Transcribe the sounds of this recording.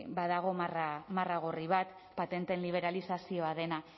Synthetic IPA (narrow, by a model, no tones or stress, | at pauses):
baðaɣ̞o̞maramaraɣ̞oriβ̞at̪ | pat̪e̞nt̪e̞nliβ̞e̞ɾalisasio̞að̞e̞na